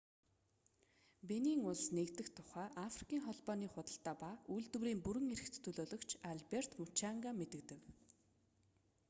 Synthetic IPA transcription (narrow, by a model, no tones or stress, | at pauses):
peniːŋʊɮsnekt̪ɘ̆xt̪ʰʊ̥χæːʔafri̥kʰiːŋχɔɮpɔːniːχʊt̪ə̆ɬt̪aːpaujɮt̪ɘ̆wɾiːmpuɾɘ̆ŋeɾɘ̆xt̪ːʰɵɮoːɮɞ̆kt͡ɕʰaɮper̥t̪mut͡ɕaŋɡamet̪ɘ̆kt̪ɘ̆k